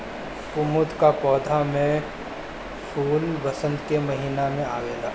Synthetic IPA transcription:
kʊmʊd̪kapɔːd̪ʱamẽ | pʰuːlbɐsə̃nd̪kemɐɦiːnamẽaːɡeːlaː

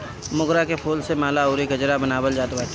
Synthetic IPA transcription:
mʊɡɾakepʰoːlsemaːlaoːɾiɡəd͡ʒɾabənaːbəld͡ʒaːt̪baːt̪

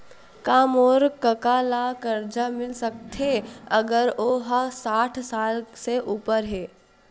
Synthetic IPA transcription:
kaːmoːɾkəkaːlakəɾd͡ʒamɪlsək̚t̪ʰɦeɐɡəɾoːɦasaːʈʰsaːlseʔuːpəɾɦɛː

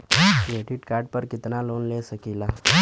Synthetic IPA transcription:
neʈiʈkaɾɖpəɾkit̪nalonlesəkila

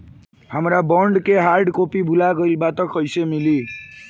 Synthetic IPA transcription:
həmɾabʌɳɖkeɦaɾɖkopibʱulaɡəjlbat̪ʌkəjsemili

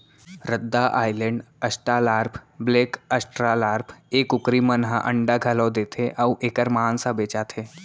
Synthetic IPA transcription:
ɾəd̪ːaʔa̰ːjlə̃ɳɖ | əsʈɾalaːɾpʰbleːkəsʈɾalaːɾpʰeːkʊkɾimənɦaʔəɳɖaɡʱəlɔd̪et̪ʰeʔauʔeːkəɾmansabeːt͡ʃat̪ʰe

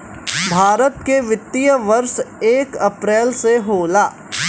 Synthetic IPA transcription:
bʱaːɾət̪keʋɪt̪ːijəʋɐɾʃeːkɐpɾɛːlseɦoːlaː

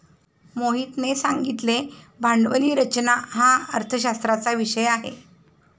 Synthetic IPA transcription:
moɦiːt̪nesaŋɡit̪le | bʱaɳɖʋəliːɾət͡ɕnaɦaəɾt̪ʰəɕast̪ɾat͡saʋiɕəjaɦḛ

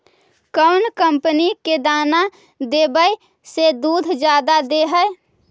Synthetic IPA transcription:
kəʊnkəmpəniked̪aːna | d̪eːbəj | sed̪uːd̪ʱd͡ʒjaːd̪ad̪eɦəj

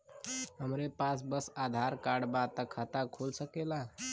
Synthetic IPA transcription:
ɦəmɾepasbəsad̪ʱaɾkaɖbat̪əkʰat̪akʰolsəkela

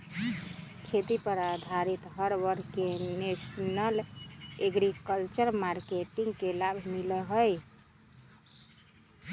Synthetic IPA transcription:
kʰet̪ipəɾad̪ʱaɾit̪ɦəɾbəɾkenesnəleɡɾikəlt͡ʃəɾmaɾkeʈiŋɡkelabʱmiləɦəj

